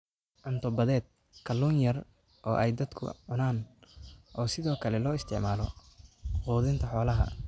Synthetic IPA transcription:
ʔɐnt̪ʰɔbɐðɛːd̪̚ | kʰɐluːnjɐr | ʔɔːʔɛjd̪ɐd̪kʰʊ̰ʕʊnaːn | ʔɔːsɪðɔːkʰɐlɛlɔːɪst̪ʰɪ̰ʕmaːlɔ | quːðɪnt̪ʰɐħɔːlɐɦɐ̰

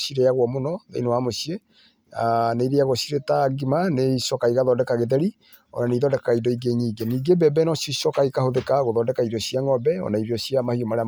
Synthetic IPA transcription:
siɾeaɣwɔmonɔðḛinowamosie | aneiɾeaɣosiɾetaɡimaneisɔkaiɣaðɔdɛkaɣeðɛɾi | ɔ̰naneiðɔdɛkaidɔiɡeɲiːɡeniːɡebɛbɛnɔsosɔkaikahoðekaɣoðɔdɛkaidɔsiaŋɔbɛɔ̰naiɾiɔsiamahiomaɾea

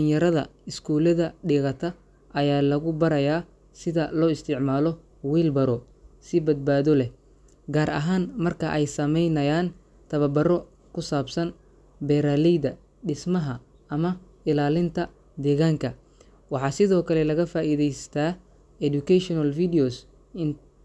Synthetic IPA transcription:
ɖɪŋjɐɾɐðɐ̰ɪskʰuːlɐðɐɖiːɣɐt̪ʰɐ | ʔɐjaːlɐɣʊbɐɾɐjaː | sɪðɐlɔːɪst̪ʰɪʕmaːlɔ | wiːlbɐɾɔ | sɪbɐd̪̚baːðɔlɛ | ɡaːɾʔɐ̰ɦaːnmɐrkʰɐʔɛjsɐmɛjnɐjaːn | t̪ʰɐβɐbɐrɔ | kʰʊsaːbsɐn | bɛɾaːlɛjðɐ | ɖɪsmɐɦɐ | ɐmɐ | ɪlaːlɪnt̪ʰɐ | d̪ɛːɣaːŋkʰɐ | wɑħɑːsɪðɔːkʰɐlɛlɐɣɐfaːʔiːðɛjst̪ʰɐ | ɛdukʰɛʃɔnɐlfidiɔs | ɪn

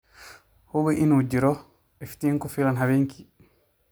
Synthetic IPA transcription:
hubɛʔinud͡ʒiɾɔ | ɛfi̥tiŋkɔfilanɦaweŋkʰi

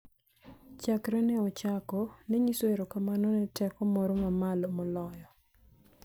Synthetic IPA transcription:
t͡ʃakɾɛnɛɔt͡ʃakɔneɲisoeɾokamanɔnɛtɛkɔmɔɾɔmamalɔmɔlɔjɔ

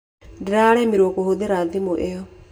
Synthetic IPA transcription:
diɾaɾɛːmiɾwɔkohoðeɾaːðimoʔeɔ

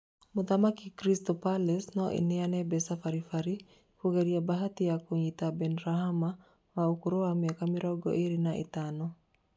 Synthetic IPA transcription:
mʊd̪amakɪkɾist̪ɔpalɛsnɔʔḭnɪanɛbɛsafaɾifaɾi | koɡeɾiabaɦat̪ɪakwoɲit̪abɛnɾaɦama | waukuɾowamjɔkamɪɾɔɡɔ̰ʔeɾinaʔɪ̰t̪anɔ

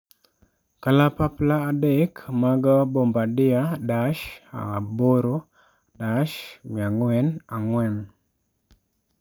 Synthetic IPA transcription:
kalapaplaːdekmaɡabombadɪadaʃa̰boɾo | daʃmiaŋwɛnaŋwɛn

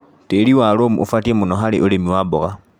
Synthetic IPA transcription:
teliwalomṵʔṵfatiemunoxalḛʔulemiwaboɣa

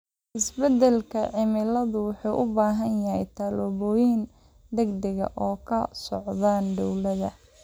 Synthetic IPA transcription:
ʔɪsbɛd̪ɛlkʰɐʕɪmɪlɐðʊwʊħuːʔʊbaːɦɐnjɐɦɛjt̪ʰaːlɔβɔːjɪn | d̪ɛɡd̪ɐɣɐ̰ʔɔːkʰɐsɔʕðaːnɖ̪ɔwlɐðɐ

